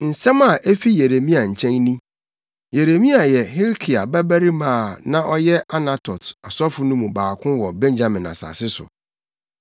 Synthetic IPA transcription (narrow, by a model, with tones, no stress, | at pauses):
n̩˨sɛ̃˦ma˨ʔe˦fi˦je˨ɾe˨mĩ˦a˨ɲ̩˨t͡ɕʰɛ̃˦ŋnĩ˦ | je˨ɾe˨mĩ˦a˨jɛ˨ɦi˦ɾkʰi˨a˨bæ˦bæ˦ɾi˦mãː˦˨nã˦ʔɔ˦jɛ˦ʔa˦na˦tʰɔ˨ta˨sɔ˦fʊ˨nʊ̃˦mũ˨baː˨kʰʊ̃˦wɔ˨bɛ̃˦nd͡ʑa˨mɪ̃˨na̰˨sa̰ː˨sɪ˦sʊ̰˨